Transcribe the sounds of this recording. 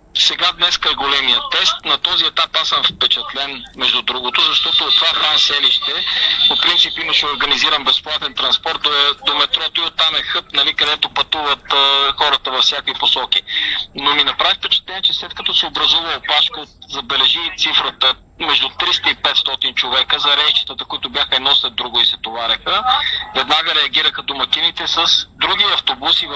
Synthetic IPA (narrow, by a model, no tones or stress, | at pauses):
sɛɡad̪nɛskəɛɡolɛmijət̪ɛst̪nɐt̪ɔziɛt̪apasəmfpɛt͡ʃɛt̪lɛnmɛʒd̪ud̪ɾuɡot̪ʊzɐʃt̪ɔt̪oːt̪ːvaxɾasɛliʃt̪ɛpopɾint̪sipimɐʃɛoɾɡɐniziɾəmbɛsplˠat̪ɛnt̪ɾɐnspɔɾt̪̚d̪oɛd̪omɛt̪ɾɔt̪oʊiot̪ːamɛxɤt̪nɐlikɐd̪ɛt̪opɐt̪uvɐt̪xɔɾət̪əvɐfsʲjakoiposɔk̟inominɐpɾavit̪ɛt͡ʃɛ̥t̪ɛnɛt͡ʃɛslɛt̪̚kɐt̪ɔsɛobɾɐzuvəopaʃkəot̪zɐbɛlɛʒit̪sifɾət̪ə | mɛʒd̪ʊt̪ɾist̪ɐipɛt̪st̪ɔt̪int͡ʃovɛkəzɐɾɛʃt͡ʃi̥t̪ət̪əkʊit̪ʊbʲjaxəɛd̪nɔslɛd̪ɾuɡʊisɛt̪ovaɾʲɐxəvɛd̪naɡəɾɛɐɡʲiɾəxəd̪omɐkinit̪ɛsəsd̪ɾuɡiɐft̪obusiv